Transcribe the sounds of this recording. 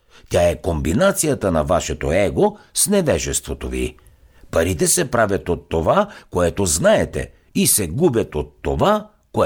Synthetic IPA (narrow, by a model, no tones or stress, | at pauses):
tʲaɛkombinat̪sijɐt̪ənɐvaʃɛt̪oɛɡosnɛvɛʒɛst̪vot̪ovḭ | pɐɾit̪ɛsɛpɾavʲɐt̪ot̪ːovakoɛt̪oznaɛt̪ɛ̰ | isɛɡubʲɐt̪ot̪ːova | ko